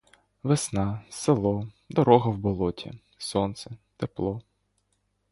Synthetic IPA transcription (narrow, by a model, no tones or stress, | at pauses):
ʋesnɑselˠɔ | d̪ɔɾɔɦɐwbɔlˠɔtʲʰḭ | sɔnt̪sɛt̪eplˠɔ